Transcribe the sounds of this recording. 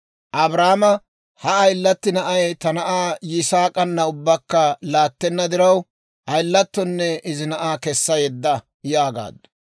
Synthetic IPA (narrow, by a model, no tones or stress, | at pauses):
ʔɐbɾaːmɐ | hɐːjlːɐt̪ːɪnɐʔɐjt̪ɐnɐʔaːjɪsaːkʼɐnːɐʊbːɐkːɐlaːt̪ːɛnːɐd̪ɪɾɐw | ʔɐjlːɐt̪ːɔnːɛɪzɪnɐʔaːkɛsːɐjɛd̪ːɐ | jaːɡa̰ːd̪ɐ